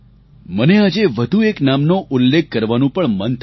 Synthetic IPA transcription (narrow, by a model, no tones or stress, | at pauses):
mənead͡ʒeʋəd̪ʱueknamnoʔʊlːekʰːəɾʋanũpəɳmənt̪ʰ